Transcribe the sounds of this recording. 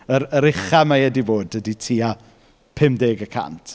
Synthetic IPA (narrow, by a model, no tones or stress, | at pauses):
əɾəɾɪχamajɛdivoːdəditʰiːa | pʰɪmdeːɡəkʰa̰ntʰ